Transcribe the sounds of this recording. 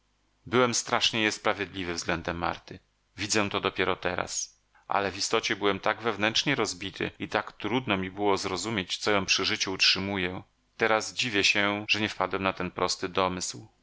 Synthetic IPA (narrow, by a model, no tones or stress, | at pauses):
bɘwɛmst̪ɾaʂɲɛjɛspɾavʲjed̪lʲivɘvzɡlɛnd̪ɛmːa̰ɾt̪ɘ | vʲid̪zɛ̃t̪ɔd̪ɔpʲjɛɾɔt̪ɛɾa̰s | ʔa̰lɛvist̪ɔt͡ɕɛbɘwɛmt̪aɡvɛvnɛnt͡ʂɲɛɾɔzbʲit̪ʰɘ̰it̪akt̪ɾud̪nɔmʲibɘwɔzɾɔzumʲjet͡ɕt̪sɔjɔ̃w̃pʂɘʐɘt͡ɕuːtʂɘmujɛ | t̪ɛɾazd͡ʑivʲjɛɕɛʐ̥ɛɲɛfpad̪wɛmnat̪ɛnpɾɔst̪ɘd̪ɔmɘsw